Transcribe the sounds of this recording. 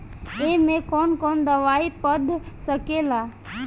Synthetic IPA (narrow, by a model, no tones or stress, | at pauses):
eːmẽkoːnkoːnd̪əʋaːipəd̪ʱsəkeːlaː